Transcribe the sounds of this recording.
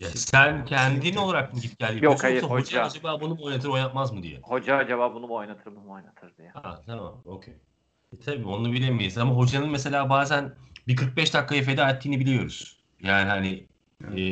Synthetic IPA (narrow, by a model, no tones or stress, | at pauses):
jasæncʰænd̪inio̞lˠaɾak̚nuɟip̚cælʲd̪ʲijookaj̪aɦod͡ʒaad͡ʒabaːbunubo̞jnat̪̬ʰɯɾo̞jnat̪mazmɯd̪ḭjɛ̰ho̞d͡ʒaad͡ʒaβaːbunubo̞jnat̪ʰɯɾmɯnojnat̪ʰɯɾd̪ijaat̪ʰama̰mocʰḛj | t̪ʰabiːo̞nunˠabilʲemijjizamaɦo̞d͡ʒanɯnmes̬e̞lʲaːbaːzænbikʰɯɾk̚bɛʃd̪akːaef̬ed̪ɛat̪ʰːiːnibilʲijo̞ɾṵz̥ | jaːniɦanɪ